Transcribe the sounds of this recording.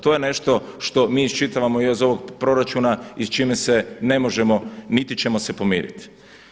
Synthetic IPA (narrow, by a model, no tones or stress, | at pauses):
t̪ojene̞ʃt̪o̞ | ʃt̪o̞miːist͡ʃit̪aʋamoijozo̞ʋoɡ̚pɾo̞ɾat͡ʃunaist͡ʃimesene̞mo̞ʒemo̞nit̪it͡ʃe̞mose̞po̞mḭːɾḭt̪i̥